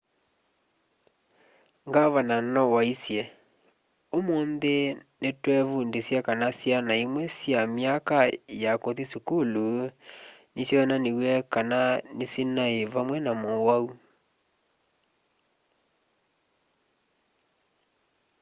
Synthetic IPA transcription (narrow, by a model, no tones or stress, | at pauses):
ŋɡaβananɔwaisjɛ | omonðenetwɛβundesjakanasjanaimwɛsjamjakajakoðisukulu | nisjɔnanewɛkananesinaeβamwɛnamowau